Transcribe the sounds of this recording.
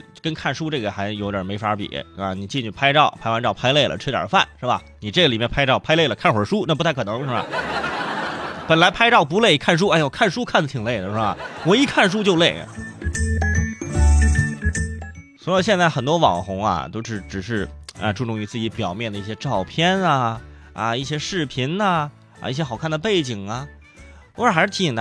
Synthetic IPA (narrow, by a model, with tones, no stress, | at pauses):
kə˥nkʰa˥˩nʂu˥ʈ͡ʂɤ˥˩ɡə˩xa˧˥ɪjo˧˥ʊ˩jə˨˩me˧˥ɪfa˧˥pḭ˨˩˦a˧˩ni˨˩t͡ɕi˥˧nt͡ɕʰy˥˩pʰa˥ɪʈ͡ʂɑ˥˩ʊpʰa˥ɪwa˧˥nʈ͡ʂɑ˥˩ʊpʰa˥ɪle˥˩ɪlə̰˩ʈ͡ʂʰɛ˥tjɑ̰˨˩fa̰˥˩nʂɻ̩˥˩bɐ̰˩ | ni˨˩ʈ͡ʂɤ˥˩ɡə˩li˨˩mjɛ˥˧npʰa˥ɪʈ͡ʂɑ˥˩ʊpʰa˥ɪle˥˩ɪlə˩kʰa˥˩nxwə˞˨˩ʂu˥na˥˩p̬u˧˥t̪ʰkʰɤ˨˩ɤ˧˥ŋʂɻ̩˥˩ɐ̰˨˩ | pə˨˩nla˧˥ɪpʰa˥ɪʈ͡ʂɑ˥˩ʊp̬u˧˥le˥˩ɪkʰa˥˩nʂ̬u˥a˥˩˧jkʰa˥˩nʂu˥kʰa˥˩nd͡zə˩t̪ʰi˨˩ŋle˥˩ɪd̪ə˩ʂɻ̩˥˩bɐ̰˩wɔ˨˩i˧˥kʰa˥˩nʂ̬u˥t͡ɕjo˥˧ʊle˥˩ɪ̰˩ | swɔ˧˥˧ɕjɛ˥˧nt͡sa˥˩ɪxə˨˩nt̪wɔ˥wɑ̰˨˩ŋxʊ˧˥ŋɐ̰˧t̪o˥ʊʈ͡ʂɻ̩˧˩ʈ͡ʂɻ̩˨˩ʂɻ̩˥˧a̰˧ʈ͡ʂu˥˧ʈ͡ʂʊ˥˩ŋy˧˥t͡sɹ̩˥˩t͡ɕi˧˥pjɑ˨˩ʊmjɛ˥˩nd̪ə˩i˥˩ɕjɛ˥ʈ͡ʂɑ˥˩ʊpʰjɛ˥nɐ˧ | ɐ̰˧i˥˩ɕjɛ˥ʂɻ̩˥˩pʰi˧˥nɐ˧ | ɐ̰˧i˥˩ɕjɛ˥xɑ˨˩kʰa˥˩nd̪ə˩pe˥˩ɪt͡ɕi˨˩ŋɐ˧ | ɔ˧˥ə˞˥˩xa˧˥ɪʂɻ̩ʰ˥˩i˧˥˩d̪ə˧